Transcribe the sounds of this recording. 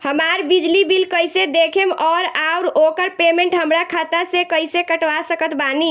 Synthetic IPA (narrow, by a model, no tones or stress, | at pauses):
həmaɾbid͡ʒlibilkəjsed̪ekʰemɔɾauɾokəɾpemeɳʈɦəmɾakʰat̪asekəjsekəʈʋasəkət̪bani